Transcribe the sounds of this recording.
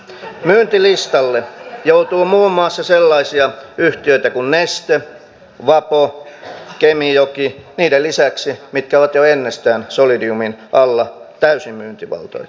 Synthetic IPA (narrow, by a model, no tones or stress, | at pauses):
myːnt̪ilist̪ɑlːejout̪uːmuːmːˑɑːsːɑselːɑisiɑyht̪iøit̪ækunnest̪e | ʋɑpo | kemijokiniːdelisæksimit̪kæoʋɑt̪joenːest̪æːnsolidiuminʔɑlːɑt̪æysimmyːnt̪iʋɑ̰lt̪o̰j